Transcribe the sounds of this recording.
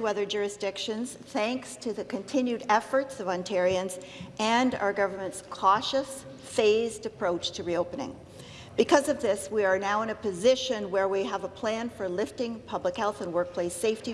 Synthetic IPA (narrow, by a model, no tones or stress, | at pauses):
ɨʌðə˞d͡ʒʊɹɨsd̥ɪkʃɨ̃nz̥θæ̃ŋkstʰɨðɨkʰɨ̃ntʰɪ̃njʉɾɛfə˞tsʌvɑ̃ntʰɛɹiɨ̃nz | ʔɨ̃na̰ʊə˞ɡʌvə˞mɨ̃ntskʰɔʃɨs | feɪzdɨpʰɹ̥oʊt͡ʃtʰɨɹioʊpɨnɪ̰̃ŋ | b̥ɨkʰʌzʌvðɪswiə˞naʊə̃nɨpʰɨzɪʃɨ̃nwə˞wiəvəpʰl̥æ̃nfə˞lɪftɪ̃ŋpʰʌbləkhɛlˠθə̃nwɜ˞k̚pʰl̥eɪseɪfti